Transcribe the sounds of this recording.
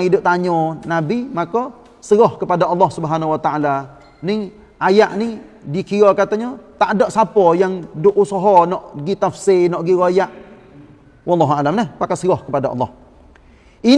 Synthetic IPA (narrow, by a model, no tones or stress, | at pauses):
idʊʔ̚t̪aɲɔnabimakɔ | səɣɔhkəpadaʔɑlːɔhsubəɦanawat̪aʔala | ni | ajaʔnidikiɾɔkat̪aɲɔt̪aʔdɔʔsapɔjaŋdʊʔusɔɦɔnɔʔɡit̪afsenɔʔɡiɣojaʔ | wɑlːɑɦualamnahpakasəɣɔhkəpadaʔɑ̰lːɔh | ʔi